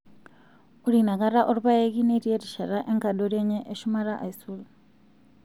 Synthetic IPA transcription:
uɾinaɣaɾaʔoɾuβaeɣineɾjeɾiʃaɾaʔeŋkadoɾjeɲeʔeʃumaɾaʔaisulu

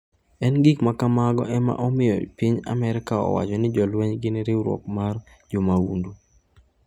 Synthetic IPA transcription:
ɛnɡikmakamaɡɔ̰ʔɛma̰ʔɔmɪjɔ̰piɲa̰mɛɾɪkaɔ̰wa̰t͡ʃɔnɪd͡ʒɔlwɛɲɡɪnɪɾɪɾwɔ̰kmar | d͡ʒɔmaundu

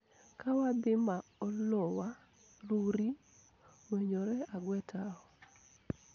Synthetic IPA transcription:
kawabɪmaɔlɔwa | ɾuɾi | weɲoɾɛaɡwɛtʰaɔ

